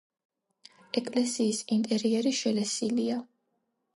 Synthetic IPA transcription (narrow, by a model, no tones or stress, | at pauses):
ɛkʼlɛsiːsint̪ʼɛɾiɛɾiʃɛlɛsilia